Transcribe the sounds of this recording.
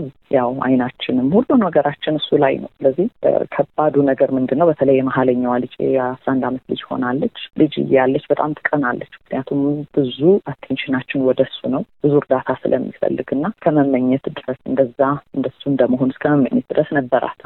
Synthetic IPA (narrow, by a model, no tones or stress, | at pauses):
z | jawa̰jnat͡ʃːɪnɨmhulːunwɔɡəɾat͡ʃːɪnɨsːulajnə̰wsɨləzːihkʰəbːad̪unəɡəɾmɨnd̪ɨnːəwbət̪ʰələjːɛmaɦaləɲːawalɨd͡ʒʼḛasɾaʔand̪amət̪lɨd͡ʒho̞̰nalːət͡ʃːlɨd͡ʒɨ̰jɛjalːət͡ʃːbət̪ʼamt̪ʰɨ̥kʼənalːət͡ʃːmɨkʰnijat̪ʰumb̥ɨzuat̪ʰːenʃɪnat͡ʃːɪnwɔd̪əsːunəwb̥ɨzuɾd̪at̪ʰasɨlʔə̰mːḭfə̰lːɨɡɨnːaskʰəməmːəɲːɛt̪d̪ɨɾəsɨnd̪əzːaɨnd̪əsːuɨnd̪əmːəɦo̞nɨskʰəməmːəɲːɛt̪̚d̪ɾəsnəbːəɾʔa̰t̪